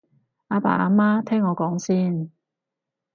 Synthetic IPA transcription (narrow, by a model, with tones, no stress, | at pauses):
aː˧pa̰ː˨aː˨˧maː˥t̪ʰɛː˥ŋːɔː˨˧kɔː˨˥ŋsiː˥n